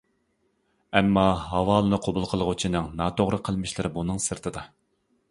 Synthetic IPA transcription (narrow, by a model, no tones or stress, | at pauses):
ɛmːɑɦɑwɑːlˠɨnɨqʰobulˠqʰəlˠʁut͡ʃʰinɨŋnɑːt̪ʰoʁɾɨqʰəlˠmɪʃlˠɨɾɪbunɨŋsɨɾt̪ʰɨd̪ɑ